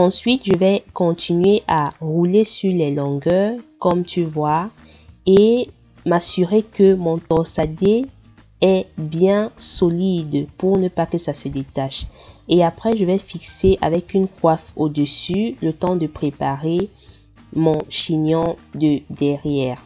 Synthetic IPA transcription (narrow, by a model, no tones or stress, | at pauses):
ɑ̃sɥit̪ʒəvɛkɔ̃t̪inɥeʔaʁulesyʁlɛlɔ̃ɡœʁkɔmt̪yvwa | e | masyʁekəmɔ̃t̪ɔ̃sad̪e | ɛbjɛ̃sɔlid̪puʁnəpakəsasəd̪et̪aʃeapχɛʒəvɛfikseʔavɛkynkwafod̪əsylət̪ɑ̃d̪əpχepaʁe | mɔ̃ʃiɲjɔ̃d̪əd̪ɛʁjɛːʁ